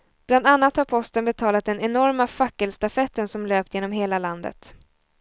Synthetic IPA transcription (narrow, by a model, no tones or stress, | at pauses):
b̥land̪anːat̪haɾpʰɔst̪ənbɛt̪ʰɑːlat̪̚d̪ɛnɛnɔɾmafakːəlst̪afɛt̪ːənsɔmløːp̚t̪jeːnɔmɦeːlaland̪ə̰t̪